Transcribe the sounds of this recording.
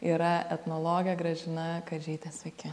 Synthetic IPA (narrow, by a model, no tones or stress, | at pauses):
iːɾɐɛt̪nolˠoːɡʲɪjɛɡɾɐʒʲɪnɐkɐt̪ʒʲɛːt̪ʲɛsɐkʲɪ